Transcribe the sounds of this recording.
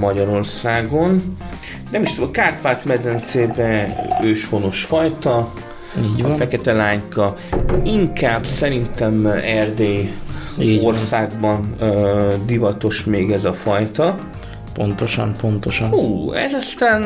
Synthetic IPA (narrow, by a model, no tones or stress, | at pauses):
mɒɟɒɾo̞rsaːɡo̞n | nɛmiʃt̪ud̪mkaːt̪vaːt̪mɛd̪ɛnt̪seːbɛøːʃho̞no̞ʃfɒjt̪ɒ | iːɟʋɒfɛkɛt̪ɛlaːɲkɒ | iŋkaːbsɛɾint̪ɛmɛrd̪eːiorssaːɡbɒn | d̪ivɒt̪o̞ʃmeːɡɛzɒfɒjt̪ɒ | po̞nt̪oʃɒ̰mpo̞nt̪oʃɒnuːɛ̰zɒst̪aːn